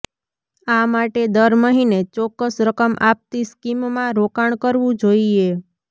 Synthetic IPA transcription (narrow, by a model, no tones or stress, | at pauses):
amaʈed̪əɾməɦinet͡ʃɔkːəsɾəkəmʔap̚t̪iskimmãɾokaɳ̃kəɾʋũd͡ʒoie